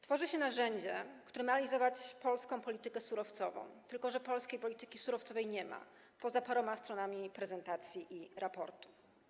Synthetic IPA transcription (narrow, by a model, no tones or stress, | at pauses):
t̪fɔʐɘɕɛnaʐɛɲd͡ʑɛkt̪uɾɛmaalʲizɔvat͡ɕpɔlskɔ̃w̃pɔlʲit̪ɘkɛsuɾɔft̪sɔvɔ̰̃w̃t̪ɘlkɔʐɛpɔlskʲejpɔlʲit̪ɘkʲisuɾɔft̪sɔvɛjɲɛma̰ | pɔzapaɾɔmast̪ɾɔnamʲipɾɛzɛnt̪at̪sʲjiʔiɾapɔ̰ɾt̪u̥